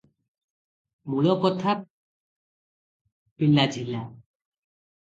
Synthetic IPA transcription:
muɭɔkɔt̪ʰa | pilad͡ʒʱila

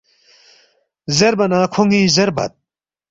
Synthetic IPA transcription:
zeɾbɐnaːkʰuŋɡiːzeɾbɐ̰t̪̚

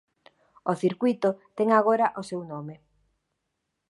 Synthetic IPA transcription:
oθiɾkwit̪ot̪ɛŋaɣ̞oɾaʔosewnome

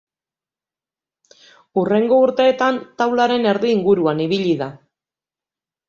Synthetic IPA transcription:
ure̞ŋɡo̞uɾt̪e̞ːt̪ant̪awlaɾe̞ne̞ɾðiːŋɡuɾuaniβ̞iʎiða

